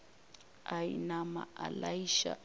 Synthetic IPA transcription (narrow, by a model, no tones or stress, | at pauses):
ainama̰alaiʃa̰